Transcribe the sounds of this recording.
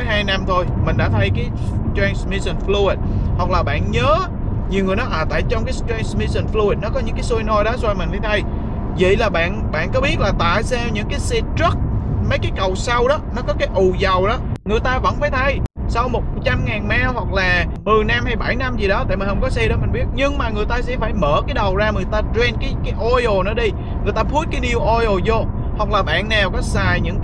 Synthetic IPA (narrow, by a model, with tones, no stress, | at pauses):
jɦaː˧jna˧mt̪ʰo˧jmï˨˩ŋ̟ɗa̰˧˥t̪ʰə˧jkaː˨˦jtɛː˧nsmi˧sə˧˩nflu˧i˨˩t̚hwa˨˩k̚laː˨˩ɓa̰ː˧˨nɲəː˨˦ | ɲi˨˩wŋɨ˨˩ənɔ˨˦ha̰ː˧˨˩t̪a̰ː˧˨jt͡ɕɔ˧wŋ͡mkaː˨˦tɾɛː˧nsmi˧sə˨˩nflu˧i˨˩t̚nɔ˨˦kɔ˨˦ɲɨ̰˧˥ŋkaː˨˦jsu˧jnɔ˧jɗɔ˨˦zwaː˧jmï̟˨˩a˨˦t̪ʰə˧j | və̰˧˨jlaː˨˩ɓa̰ː˧˨nɓa̰ː˧˨nkɔ˨˦ɓi˦˥ət̚laː˨˩t̪a̰ː˧˨jsa˧wɲɨ̰˧˥ŋkaː˨˦jse˧ə˦˥k̚mə˨˦jkaː˨˦jkə˨˩wsa˧wɗɔ˨˦nɔ˨˦kɔ˨˦kaː˨˦jʔu˨˩zə˨˩wɗɔ˨˦ŋɨ˨˩əjt̪aː˧və̰˧˥nfaː˧˩˦jt̪ʰə˧j | sa˧wmo˨˩t̚t͡ɕa˧mŋaː˨˩nmaː˧hwa˨˩k̚laː˨˩mɨ˨˩əjna˧mha˧jɓa˧˩jna˧mzi˨˩ɗɔ˨˦t̪a̰ː˧˨jm˨˩hə˧wŋ͡mkɔ˨˦sɛ˧ɗɔ˨˦mï˨˩ŋ̟ɓi˦˥ət̚ɲɨ˧ŋmaː˨˩ŋɨ˨˩əjt̪aː˧sɛ̰˧˥faː˧˩jməː˧˩kaː˨˦jɗə˨˩wzaː˧ŋɨ˨˩əjt̪aː˧t͡ɕwɛ˧nkaː˨˦jkaː˨˦jʔɔ˧o˨˩nɨ̰ː˧˨˦ɗi˧ | ŋɨ˨˩əjt̪aː˧pʰu˦˥t̚kaː˨˦nɗi˧əwʔɔ˧jʔo˨˩zo˧ | hwa˨˩k̚laː˨˩ɓa̰ː˧˨nːa˨˩wkɔ˨˦saː˨˩jɲɨ̰˧˥ŋ